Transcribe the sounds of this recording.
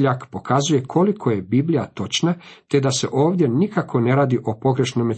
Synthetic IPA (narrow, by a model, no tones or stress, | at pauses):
ʎakpo̞kazuje̞kʰo̞likʰo̞je̞biblʲijat̪o̞t͡ʃnat̪e̞d̪ase̞ʔo̞ːʋd̪ʲje̞nikakʰo̞ne̞ɾaːd̪iʔo̞po̞ɡɾe̞ʃnome